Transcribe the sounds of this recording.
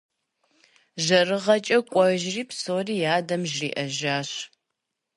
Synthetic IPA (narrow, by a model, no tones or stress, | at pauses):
ʒɐrɨʁɐt͡ʃʼɐkʷʼɔʒriːpsoːriːjaːdɐmʒrḭːʔɐʒaːɕ